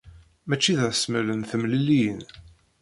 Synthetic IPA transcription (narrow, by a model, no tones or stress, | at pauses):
mæt͡ʃːiðʁsmələnθəmlilijən